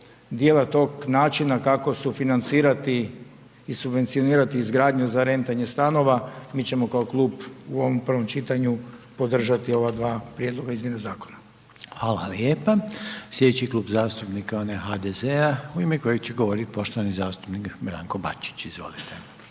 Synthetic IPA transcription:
d̪jeːlˠat̪o̞ɡnaːt͡ʃinakako̞sufinant̪siːɾat̪iː | subʋent̪sijo̞niːɾat̪iːzɡɾaːd̪ɲuzaɾe̞nt̪aɲe̞st̪ano̞ʋamiːt͡ɕe̞mo̞kaoklˠuːbuo̞ʋompr̩ʋo̞mt͡ʃit̪aɲupo̞d̪r̩ʒat̪io̞ʋad̪ʋaːpɾʲjed̪lˠo̞ɡaizmjenazaːko̞̥na | hʋaːla̰ljeːpasljed̪et͡ɕiklˠuːbzaːst̪upnikaonexad̪ezeauimeko̞jeɡt͡ɕeɡo̞ʋo̞ɾit̪i̥po̞ʃt̪oʋanizaːst̪upnikbɾa̰ːŋko̞ba̰t͡ʃi̥t͡ɕizʋo̞̰lit̪ʰe

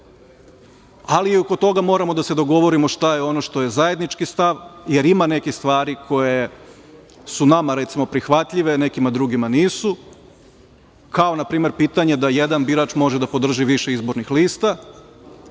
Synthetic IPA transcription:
aliiokot̪o̞ɡamo̞ːɾamo̞d̪ase̞d̪o̞ɡo̞ʋo̞ɾimo̞ʃt̪ajeo̞noʃt̪o̞je̞zaje̞d̪nit͡ʃkist̪aʋje̞ɾimane̞kist̪ʋaːɾikʰo̞je̞ | sunamaɾet̪simo̞pɾixʋat̪ʎiʋene̞kimad̪ɾuɡimaniːsu | kao̞napɾiːmeɾpiːt̪aɲe̞d̪aje̞d̪anbiɾat͡ʃmo̞ʒed̪apo̞d̪r̩ʒiʋiʃe̞izbo̞ɾnixliːst̪a

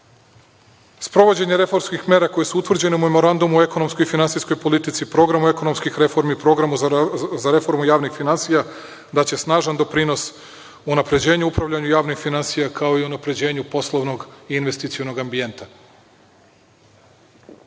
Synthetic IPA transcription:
spɾo̞ʋo̞d͡ʑe̞ɲeɾe̞fo̞ɾmskixme̞ːɾako̞jesuut̪ʋr̩d͡ʑe̞neume̞mo̞ɾand̪umue̞ko̞no̞msko̞jifinansijsko̞jpo̞lit̪it̪sipɾo̞ɡɾamue̞ko̞no̞mskixɾefo̞ɾmiipɾo̞ɡɾamuzaɾe̞fo̞ɾmujaːʋnixfinansija | d̪at͡ɕe̞snaːʒand̪o̞pɾino̞s | unapɾe̞d͡ʑe̞ːɲuupɾaʋʎaɲujaːʋnixfinansijakʰaoiunapɾe̞d͡ʑe̞ːɲupo̞slˠoʋno̞ɡiːnʋe̞st̪it̪sijono̞ɡambije̞nt̪a

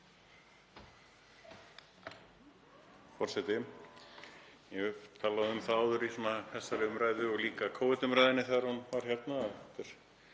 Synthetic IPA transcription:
fɔr̥sɛt̪ɪ | jɛt̪ʰaːlaðʏʏmθaawðʏɾisɛmahʰɛsːaɾʏmɾaːjðʏɔɣliːkakʰoːwvɪt̪ʏmɾajðɪnːɪθɛðaɾhunvaɾ̥çɛɾt̪nat̪ɪɾ̥

